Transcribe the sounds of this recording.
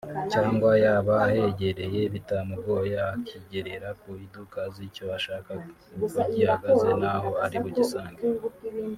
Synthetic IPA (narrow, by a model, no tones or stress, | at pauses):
caːŋɡwajaβaːhe̞ɟe̞ɾe̞je̞βitamuɡo̞ːjaːkiɟe̞ɾe̞ɾakuhidukazicoaʃaːka | kuɟihaɡaze̞naho̞aɾiβuɟisaːŋɡe